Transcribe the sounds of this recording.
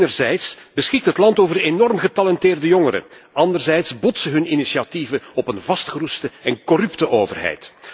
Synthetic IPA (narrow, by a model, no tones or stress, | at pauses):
nərzɛjtsb̥əsxɪk̚tɦətlɑntoːvərenɔrmɣətalɛntɪːrdəjɔŋəɾə̰ɑndərzɛjtsbɔtsəɦɵninisiativəɔpənvɑstxərustəɛnkɔrʏptəʔoːvərɦɛ̰jt